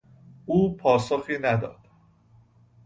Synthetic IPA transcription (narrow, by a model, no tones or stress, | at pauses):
uːpʰɒːsoxiːnæd̪ɒ̰ːd̪̥